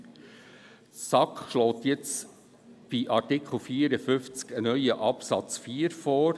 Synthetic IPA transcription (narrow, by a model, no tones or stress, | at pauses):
sɑkχʃlɔːt̪jɛt͡s | b̥iʔɑɾtɪkχl̩fiːɾəfʏft͡skənœʏəʔɑpsɑt͡sfiəɾfɔːɾ